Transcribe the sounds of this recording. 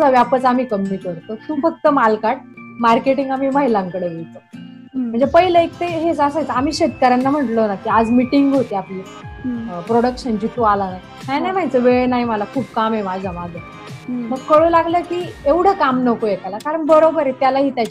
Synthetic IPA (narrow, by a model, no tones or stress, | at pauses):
aʋjapət͡sam̤iːkəmiːt̪ʋəɾt̪ot̪ũːfək̚t̪əmalkaʈ̚maɾkeʈiŋɡam̤iːmaɦilãŋkəɽeʋejt͡s̪ə | m̤əɳnd͡zepəɦiləek̚t̪eɦed͡zasajt͡səam̤iːɕet̪kəɾanːam̤əʈlənakiːad͡zmiʈiŋɡɦot̪eapliː | pɾoɽəkɕənt͡ɕit̪ualana | t̪ajnajm̤ajt͡səʋeɭnaiməlakʰuːpkamɦemad͡zəmad͡zʱə | məɡkəɭũlaɡləkiːeʋɽ̤əkamnəkojekalakaɾəɳbəɾobəɾet̪jalaɦiːt̪jat͡ɕ